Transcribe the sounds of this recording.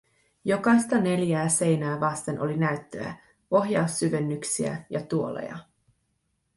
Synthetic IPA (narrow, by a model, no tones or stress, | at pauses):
jo̞kɑjst̪ɑne̞ljæːse̞jnæːʋɑst̪e̞nʔo̞linæɥt̪ːø̰æ̰ | o̞ɦjɑusːyʋe̞nːyksiæ̰jɑt̪uo̞lḛjɑ̰